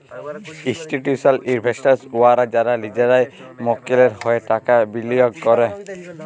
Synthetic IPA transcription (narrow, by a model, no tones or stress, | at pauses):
istiʈjusalinbʱestaɹsuwaɾad͡ʒaɾalid͡ʒaɾajmɔkilɛɾhɔjɛtakabilijɔɡkɔɾɛ